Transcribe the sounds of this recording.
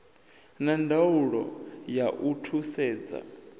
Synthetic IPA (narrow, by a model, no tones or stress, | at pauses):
nandauɺɔ̰jaʔutʰusɛːd͡za̰